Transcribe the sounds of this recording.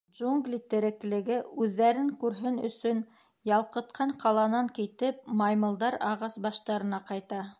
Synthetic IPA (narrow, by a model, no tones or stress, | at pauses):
ʒuŋɡlʲit̪ɘ̆ɾɘ̆klɘ̆ɡɘʉðːæɾɘŋkʉɾɦɘnɵ̰̆sɵn | jɑlˠqɤ̆t̪qʰɑɴqɑlˠɑnɑŋkit̪ɘp̚mɑjmɤ̆lˠd̪ɑɾɑʁɑsbɑʃt̪ɑɾɤ̆nɑqɑjt̪ɑ